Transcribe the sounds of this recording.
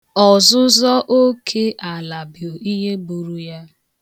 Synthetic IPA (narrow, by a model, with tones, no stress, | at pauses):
ɔ˨zʊ˦zɔ˦ʔo˦kʰe˦ʔa˨la˨bjo˨i˦ɦe˦bu˨ɾu˦ja˦